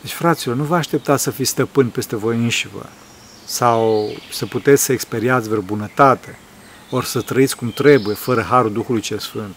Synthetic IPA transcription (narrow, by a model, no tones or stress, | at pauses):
d̪et͡ʃʲfɾat̪silo̞rnuvəaʃt̪e̞p̚t̪asəfisʲst̪əpɨnʲpe̞st̪e̞vo̞jɨnʃivə̰ | sawsəput̪e̞t̪sʲsəekspe̞ɾiat̪sʲvɾebunət̪at̪e | orsət̪ɾəit̪sʲkumt̪ɾe̞buje̞fəɾəɦaɾuld̪uxulujt͡ʃelsfɨnt̪̚